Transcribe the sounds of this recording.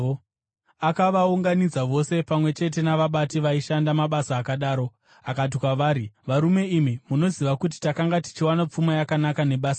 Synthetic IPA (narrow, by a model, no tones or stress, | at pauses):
akaʋauŋɡanid͡zaʋo̞se̞pamwe̞t͡ʃe̞t̬e̞naʋaɓatiʋaiʃandamaɓasaːkaɗaːɾo̞ | akat̬ikwaʋaːɾiʋaɾume̞imimuno̞ziʋakut̬i̥takaŋɡati̥t͡ʃiwanap͡fumajakanakane̞ɓaːsa